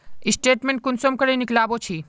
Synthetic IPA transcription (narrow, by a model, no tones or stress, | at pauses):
ɪsʈeːʈmẽɳʈ̚kʊnsomkəɾeniklaːbot͡ʃʰi